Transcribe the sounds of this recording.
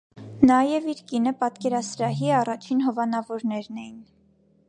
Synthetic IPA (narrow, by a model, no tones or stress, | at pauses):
nɑjɛviɾkinəpɑt̪kɛɾɑsɾɑɦiɑrɑt͡ʃʰinɦɔvɑnɑvɔɾnɛɾnɛjin